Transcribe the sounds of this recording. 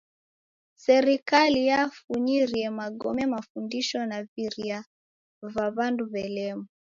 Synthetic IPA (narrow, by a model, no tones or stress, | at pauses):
sɛɾikalijafuɲiɾiɛmaɡɔmɛmafundiʃɔnaviɾia | vaβanduβɛlɛmu